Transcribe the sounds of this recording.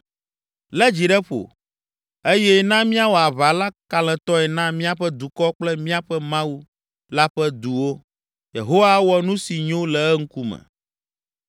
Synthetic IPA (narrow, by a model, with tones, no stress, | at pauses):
lɛ˦d͡ʑi˨ɖɛ˦ɸo̰˨ | e˦jɛ˦nã˦mĩ˦a˦wo˨a˨βa˨la˦ka˨l̃ɛ̃˨t̪ɔ˦ɛ˨nã˦mĩ˦a˦ɸɛ˦d̪u˨kɔ˦k͡plɛ˦mĩ˦a˨ɸɛ˦mã˦wu˦ | la˦ɸɛ˦d̪u˨wo˦ | jḛ˨ɦo˦wa˦wɔ˨nũ˦si˨ɲõ˦lɛ˨ɛ˦ŋ̩˦ku˦mɛ̰̃˨